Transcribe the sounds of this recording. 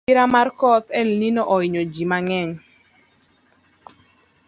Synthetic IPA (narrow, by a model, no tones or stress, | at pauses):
ɪɾamarkɔt̪ɛlninoʔɔɪɲod͡ʒimaŋɛɲ